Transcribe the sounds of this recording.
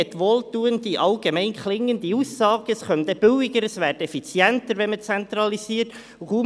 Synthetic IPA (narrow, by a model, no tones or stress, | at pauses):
ɛt̪ʋoːltuːənd̪iʔɑlɡ̥emɛɪnkʰlɪŋːənd̪iuːsːɑːɡ̥əsχœnt̪ɛb̥ʏwɪɡəɾəsvæːdəɛfit͡sjɛntəɾʋɛnmət͡sɛnt̪rɑlisiːəɾt | uχu